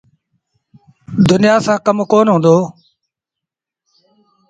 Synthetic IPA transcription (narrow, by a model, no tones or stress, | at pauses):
d̪ʊnɪjaːsãːkəmkoːnɦõːnd̪oː